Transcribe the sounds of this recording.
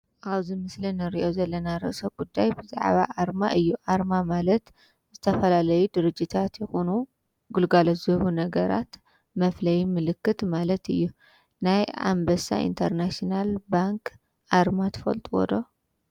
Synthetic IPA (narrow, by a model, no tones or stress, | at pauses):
ʔaβzimɨslinɨɾiʔo̞zɐlːɐnaɾɨ̰ʔsɐɡ̥ud̪ːajbɨza̰ʕβa̰ʔaɾma̰ʔɨjːuʔaɾmamalɐt̪ | zɨt̪ʰɐfɐlalɐjud̪ɨɾɨd͡ʒːit̪ʰat̪jɛxunu | ɡulɡalɐzɨhunɐɡɐɾa̰t̪ | mɐflɐjmɨlɨkːɨt̪malɐt̪ɨjːu | naja̰mbɐsa̰ḭnt̪ʰɐɾnaʃnalbaŋk | ʔaɾmat̪ʰɨ̥fɐ̰lt̪ʼuwɔ̰d̪o